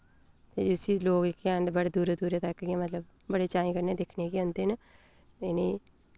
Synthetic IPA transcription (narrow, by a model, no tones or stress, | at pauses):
t̪ḛːd͡ʒiʊsiːloːɡɪkːaːnd̪bəɽed̪uːɾed̪uːɾet̪əkːɡãːmət̪ləb | bəɽeːt͡ʃaːĩːkəɾneːd̪ekʰneːkiːõːnt̪enə | ɪniː